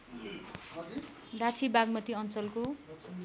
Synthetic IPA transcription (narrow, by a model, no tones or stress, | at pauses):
dat͡sʰibaɡmʌt̪iʌnt͡sʌlko